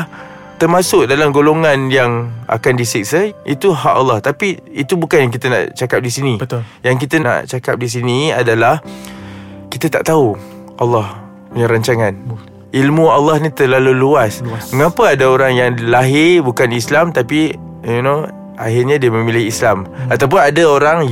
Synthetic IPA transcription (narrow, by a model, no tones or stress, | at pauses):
t̪ərmasʊk̚dalamɡoloŋanjaŋa̰kandisik̚saʔit̪uɦaʔalːɑht̪apiit̪ubukanjaŋk̬it̪əna̰ʔt͡ʃakap̚disinibəjaŋk̬it̪əna̰ʔt͡ʃakap̚dis̬iniadalah | kit̪ət̪a̰ʔt̪au | ʔalːɑh | puɲaɾaɲt͡ʃaŋan | ilmualːɑhnit̪əlaluluasməŋapəadaoɾaŋjaŋlaɦɪbukanislamt̪api | juno | ʔaɦɪrɲadiəmə̃milɪhislamat̪awp̬ʊnadaoɾaŋ